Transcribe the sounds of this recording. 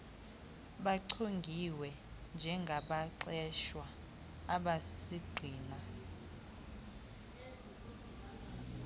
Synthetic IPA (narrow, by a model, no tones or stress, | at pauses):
ɓaǀʰoŋɡʱiwɛ | nd͡ʒʱɛŋɡʱaɓaǀɛʃwa | aɓasi̥siɡ͡ǀʱiːna